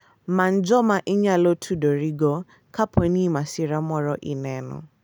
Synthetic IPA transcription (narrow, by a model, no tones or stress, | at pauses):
man̩d͡ʒɔmaʔɪɲalotʰudɔɾiɡɔ | kapʰwenimasiɾamɔɾɔʔḭnɛnʊ̰